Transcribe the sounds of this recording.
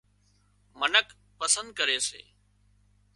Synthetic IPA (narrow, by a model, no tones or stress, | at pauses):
mənək | pəsə̃nd̪̚kəɾeːsḛː